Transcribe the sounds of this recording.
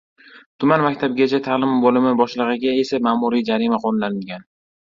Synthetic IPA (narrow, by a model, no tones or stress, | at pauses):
t̪ʰʊmanmakʲt̪ʰab̚ɡʲat͡ʃʰat̪ʰaːlɪmbolɪmɪbɒʃlˠɨʁɨɡʲae̞samaːmuɾid͡ʒaɾimaqʰonlanɪɡʲan